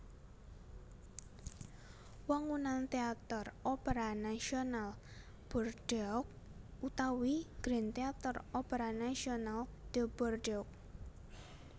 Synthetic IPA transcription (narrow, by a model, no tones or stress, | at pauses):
waŋunant̪eat̪ɔrɔpeɾanasional | b̥ɔrd̥ɛɔk̚ | ut̪awiɡ̥ɾɛnt̪eat̪ɔrɔpeɾanasionald̪̥əbɔrdɔk̚